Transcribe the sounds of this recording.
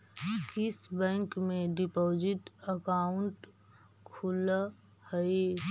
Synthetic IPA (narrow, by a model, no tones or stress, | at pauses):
kɪsbɛ̃ːŋkmẽɖɪpoːd͡ʒɪʈəkaːʊɳʈ | kʰʊla | həe